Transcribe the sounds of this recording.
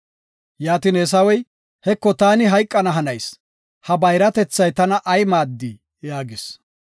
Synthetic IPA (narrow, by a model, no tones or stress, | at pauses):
jaːt̪inɛs̬ɐwɛj | hɛkːɔt̪aːnɪɦɐjkʼːɐnɐɦɐnɐjs | hɐbɐjɾɐt̪ɛt͡sːɐjt̪ɐnɐʔɐjmaːd̪ːi | jaːɡɪs